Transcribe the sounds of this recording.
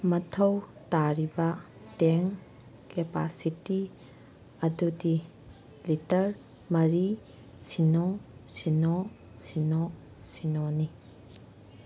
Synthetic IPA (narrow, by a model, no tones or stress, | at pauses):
mɐtʰɐwtaɾibɐ | teŋ | kepa̰siti | ɐdudi | litɐɾ | mɐɾi | sinɔsinɔ | sinɔ | sinoni